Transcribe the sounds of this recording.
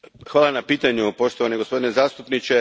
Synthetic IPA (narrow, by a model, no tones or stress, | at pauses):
xʋaːlˠanapiːt̪aɲupo̞ʃt̪oʋaneɡo̞spo̞d̪inezaːst̪upnit͡ɕe